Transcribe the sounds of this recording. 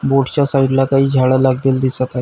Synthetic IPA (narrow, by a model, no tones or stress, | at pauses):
boʈt͡ɕasaiɖlakaɦiːd͡ʑʱaɭalaɡleːld̪isat̪aɦ